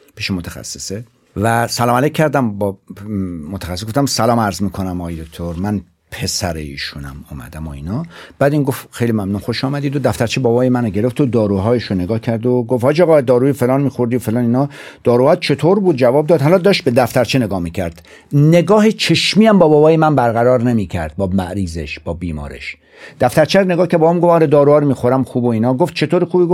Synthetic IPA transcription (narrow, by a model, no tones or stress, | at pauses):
pʰiːʃemot̪ʰæxæ̰sːese | væsælɒːmælek̚ʰʲːæɾd̪æmb | mot̪ʰæxæsesɡoft̪æmsælɒːmæɾzmiːkʰo̞næmɒɣɒːjed̪ok̚ʲt̪ʰoɾmæn | pʰe̞sæɾḛḭːʃunæ̰mɔːmæ̰d̪æmoḭːnɒːb̥æːd̪iːnɡofxejlimæmnunxoʃɒːmæd̪iːd̪od̪æft̪æɾt͡ʃʰebɒːbɒːjemænoɟe̞ɾeft̪od̪ɒːɾuːɦɒːjeʃone̞ɡɒːhcʰæɾd̪oɡofhɒːd͡ʒeɣɒːd̪ɒːɾuːjefe̞lɒːnmiːxo̞ɾd̪ijofe̞lɒːniːnɒː | d̪̥ɒːɾuːhɒːt̪̚t͡ʃʰe̞t̪ʰoɾbuːd̪̚d͡ʒævɒːb̚d̪ɒːd̪hælɒd̪ɒːʃt̪̚be̞d̪æft̪æɾt͡ʃʰene̞ɡɒːhmiːcʰæ̰ɾd̪̥ | ne̞ɡɒːhet͡ʃʰe̞ʃmiːæmbɒːbɒːbɒːjemænbæɾɣæɾɒːɾne̞miːcʰæ̰ɾd̪̥̚bɒːmæ̰ʔɾiːzḛʃb̥ɒːbiːmɒ̰ːɾḛʃ | d̪̥æft̪æɾt͡ʃʰæɾone̞ɡɒːhkcʰæɾd̪̚bɒomɡofɒːɾed̪ɒːɾuɒːɾomiːxoɾæmxuːboiːnɒːɡoft̪̚t͡ʃʰe̞t̪ʰoːɾixuːbiɡo